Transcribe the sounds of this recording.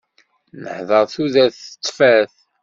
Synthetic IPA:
nə̰ħðˤəɾˤθuðæθə̥t̪ˤːfæθ

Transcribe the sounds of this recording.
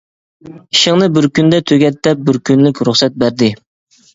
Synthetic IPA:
iʃɪŋnɨbɪɾkʲynd̪ɛt̪ʰøɡʲɛt̪ːɛp̚bɪɾkʲʰynlykʲɾuχsɛt̪̚bæɾd̪ɪ

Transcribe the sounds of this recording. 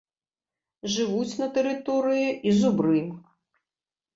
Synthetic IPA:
ʐɨvut͡sʲnɐt̪ɛɾɨt̪ɔɾɨjiʔizubɾɨm

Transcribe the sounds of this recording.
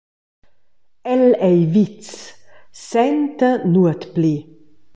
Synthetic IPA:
ɛlɛjvit͡s | sɛnt̪ənuət̪pli

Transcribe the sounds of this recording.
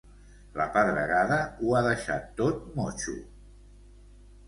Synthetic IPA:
ləpəðɾəɣaðəuaðəʃa̰t̪ːot̪̚mɔt͡ʃṵ

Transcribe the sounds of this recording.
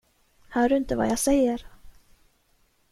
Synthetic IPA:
hœːɖɵɪnt̪əva̰jasɛjːəɾ

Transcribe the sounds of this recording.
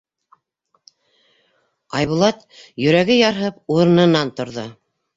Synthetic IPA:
ɑjβulˠɑt̪jɵ̆ɾæɡɘjɑɾɦɤpuɾɤ̆nɤ̆nɑnt̪ŏɾðo

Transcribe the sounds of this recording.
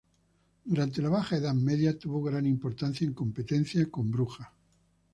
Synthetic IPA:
d̪uɾant̪e̞laβ̞axaeðameðjat̪uβoɣɾanimpo̞ɾt̪anθjaeŋko̞mpe̞t̪e̞n̟θjakõ̞mbɾuxa

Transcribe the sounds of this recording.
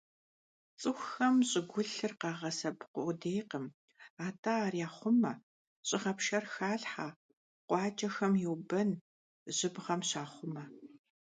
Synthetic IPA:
t͡sʼɨxʷxɐmɕʼɪɡʷʊɬɨrqɑːʁɐsɐbqʷʊdejqəm | aːtʰaːrijaːχʷʊmɐ | ɕʼɪʁɐpʃɐrxaːɬħaː | qʷɑːt͡ʃʼɐxɐmjɛwbɐn | ʑɪbʁɐmɕaːχʷʊmɐ

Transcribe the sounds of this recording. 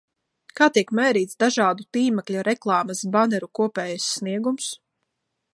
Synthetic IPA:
kaːt̪iɛkmɛːɾiːt̪sd̪aʒɑːd̪ut̪iːmɛklʲuɾɛklˠɑːmasbanɛɾukuɔpɛːjasːniɛɡums

